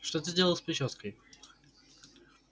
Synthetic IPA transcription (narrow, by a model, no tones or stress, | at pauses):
ʂt̪ot̪̬ɨdʲelˠəlˠspɾʲɪɕoskəj